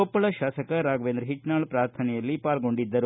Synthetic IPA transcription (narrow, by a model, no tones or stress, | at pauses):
opːɐɭɐʃaːsɐkɐɾaːɡʋend̪ɾɦiʈnaːɭpɾaːɾt̪ʰɐnɛjɐlːipaːlɡo̞ɳɖid̪ːɐɾu